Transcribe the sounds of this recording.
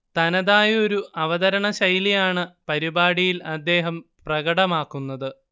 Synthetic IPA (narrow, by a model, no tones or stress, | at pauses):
t̪ɐnɐðaːjo̞ɾuʔɐʋɐðɐɾɐɳɐɕɐjlijaːɳɨpɐɾibaːɽijilɐd̪ːe̞ːɦɐmprɐɡɐɽɐmaːkːunːɐðɨ